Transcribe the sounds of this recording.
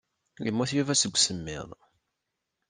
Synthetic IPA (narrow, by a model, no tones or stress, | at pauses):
ləmːuθjævæsəɡʷːsəmːɪ̰ðˤ